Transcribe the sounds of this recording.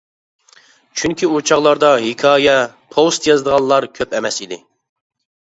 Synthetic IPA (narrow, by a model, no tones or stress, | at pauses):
t͡ʃʰyŋkʲiut͡ʃʰɑʁlˠɑɾd̪ɑɦikʲʰɑːjɛpʰost̪jɑzɨd̪əʁɑnˠlˠɑɾkʲʰøpɛmɛsid̪ɪ